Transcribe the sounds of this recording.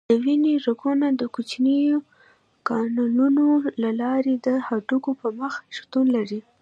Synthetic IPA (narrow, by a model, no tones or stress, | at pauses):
d̪̥əwineʐakunad̪əkut͡ʃnijo | kɑnununolalɑɾed̪əhaʈukopəməxʃt̪unlaɾi